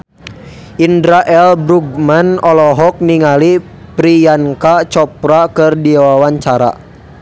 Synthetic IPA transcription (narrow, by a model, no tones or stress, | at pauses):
ʔindɾaʔɛlbɾuɡ̚manɔlɔɦɔk̚niŋali | pɾijankat͡ʃɔpɾakərdiawawaɲt͡ʃaɾa̰